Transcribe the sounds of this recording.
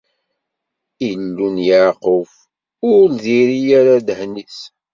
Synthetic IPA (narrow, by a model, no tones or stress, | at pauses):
ilːunjaʕqʊf | ʊɾlðiɾijaɾad̪hniθ